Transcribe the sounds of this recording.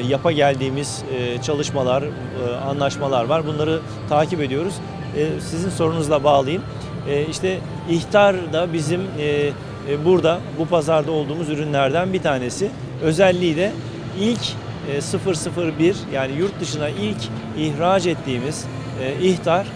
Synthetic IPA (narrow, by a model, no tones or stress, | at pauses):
japʰaɟælʲd̪iːmiz̥t͡ʃʰalˠɯʃmalˠaɾ | anlˠaʃmalˠaɾvaɾbunlˠaɾɯ | t̪ʰaːcipe̞d̪ijo̞ɾuz̥ | sizinso̞ɾunuzlˠabaːlˠɯjɯm | ɛːiʃt̪ʰɛ | içt̪ʰaɾd̪abizimː | buɾd̪abupʰazaɾd̪ao̞lˠd̪uːmuzyɾynlʲæɾd̪ænbit̪ʰaːne̞sɪ | ø̞zælʲːiclʲɛ | ilʲcː | sɯfɯɾsɯfɯɾbiɾjaːnijuɾt̪̚d̪ɯʃɯnaʔilʲcʰ | içɾaːd͡ʒɛt̪ʰːiːmiz̥ | içt̪ʰaɾ̥